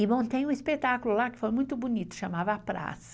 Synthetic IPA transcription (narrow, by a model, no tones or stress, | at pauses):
ɪbõt̪ẽj̃ũispet̪akʊlʊlakɪ̥fojmũj̃t̪ʊbunit̪ʊ̥ʃamavɐapɾa̰sɐ̥